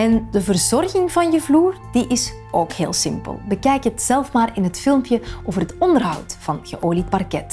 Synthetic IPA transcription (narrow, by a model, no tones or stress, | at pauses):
ɛndəvərzɔrɣɪŋvɑnjəvluːrd̥iʔɪs | ʔoːkheːlˠsɪmpə̰lˠbəkɛjkəətsɛlˠfmaːrɪnɦətfɪlˠmpjəoːvərɦətɔndərɦɑ̰wtv̥ɑnɣəʔoːlipɑrkɛt